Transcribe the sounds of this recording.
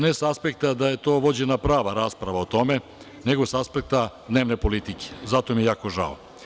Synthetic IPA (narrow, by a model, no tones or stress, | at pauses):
nesaspe̞kt̪ad̪aje̞t̪o̞ːʋo̞d͡ʑenapɾaːʋaɾaːspɾaʋaot̪o̞me̞ | ne̞ɡo̞saspe̞k̚t̪ad̪ne̞ːʋne̞po̞lit̪ike̥zat̪o̞mijejaːko̞ʒa̰o̰